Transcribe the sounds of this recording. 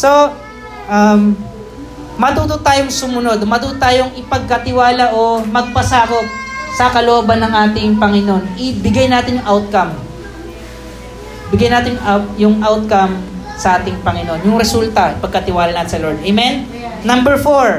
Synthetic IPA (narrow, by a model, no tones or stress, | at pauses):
so̞ | ʔɐm | mɐt̪uːt̪ot̪aːjoŋsʊmʊno̞d̪omɐt̪uːt̪ot̪aːjoŋɪpɐɡ̚kɐt̪ɪwaːlɐʔomɐɡ̚pɐsaːkot̪̚sɐkɐloʔobɐnːɐŋʔaːt̪ɪŋpɐŋɪno̞nʔɪbɪɡajnaːt̪ɪnjʊŋʔawt̪̚kɐm | bɪɡajnaːt̪ɪnjʊŋajʊŋʔawt̪̚kɐm | sɐʔaːt̪ɪŋpɐŋɪno̞njʊŋɾɛsult̪ɐʔɪpɐɡ̚kɐt̪ɪwaːlɐnaːt̪ɪnsɐloɹd̪ɐjmɛnː | ɐmbɛɹfoɹ